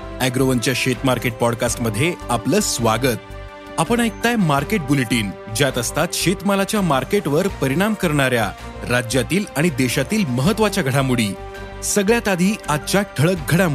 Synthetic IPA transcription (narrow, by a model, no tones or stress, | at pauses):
æɡɾoʋənt͡ɕjaɕet̪maɾkeʈ̚pɔɽkasʈməd̪ʱːjeapləːsʋaɡət̪̚ | apəɳ̃əjk̚t̪ajmaɾkeʈ̚buleʈiːn | d͡ʑjat̪əst̪at̪ɕet̪malat͡ɕjamaɾkeʈʋəɾpəɾiɽ̃amkəɾɳ̃aɾja | ɾad͡ʑjat̪iːlaɽ̃id̪eɕat̪iːlməɦət̪ːʋat͡ɕjaɡʱəɽamuɽiː | səɡɭjat̪ad̪ʱiːad̪̚t͡ɕjaʈʰəɭək̚ɡʱəɽamu